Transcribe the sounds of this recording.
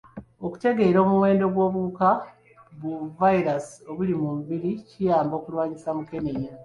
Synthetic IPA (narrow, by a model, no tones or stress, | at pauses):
oku̥te̞ɡe̞ːɾo̞ːmuwe̞ːndo̞ɡwo̞ːβuka | βuvaiɾaso̞βulimumbiɾicijaːmbo̞ːkulwaːɲisamuke̞neja